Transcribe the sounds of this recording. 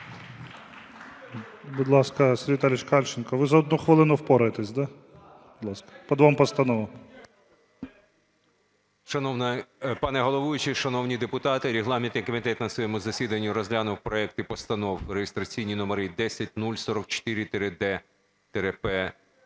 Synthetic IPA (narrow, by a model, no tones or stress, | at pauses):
bʊd̪lˠɑskɐsʲɾʲʋʲit̪alʲɪt͡ʃkɑlʲt͡ʃɪnkɐʋɪzɐɔd̪nuxʋɪlˠɪnʊwpɔɾɐjet̪ɛsʲd̪a | bʊd̪lˠɑskɐ̥pɔd̪ʋampɔst̪ɐnɔʋɐ | ʃɐnɔwnɐpɑnɛɦɔlˠɔʋujʊt͡ʃɪʃɐnɔwnʲid̪epʊt̪ɑt̪ɪɾʲiɦlˠɑmʲɪnt̪ɪkɔmʲit̪ɛt̪nɐsʋɔjɛmʊzɐsʲid̪ɐnʲːʊɾɔzʲlʲanʊwpɾɔɛk̚t̪ɪpɔst̪ɐnɔwrejɪst̪ɾɐt͡sʲijnʲinɔmɔɾid̪ɛsʲɐt̚ʲnulʲsɔɾɔkt͡ʃɔ̥t̪ɪɾʲɪt̪eɾɪd̪ɛ | t̪eɾɛpɛ